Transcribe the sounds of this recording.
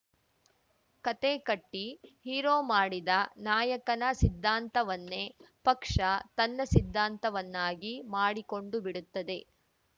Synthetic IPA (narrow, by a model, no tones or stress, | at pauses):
kɐt̪ekɐʈːihiːɾoːmaːɽid̪ɐnaːjɐkɐnɐsid̪ʱːaːnt̪ɐʋɐnːe̞pɐkʂɐt̪ɐnːɐsid̪ʱːaːnt̪ɐʋɐnːaːɡimaːɽiko̞ɳɖubiɽut̪ːɐd̪e̞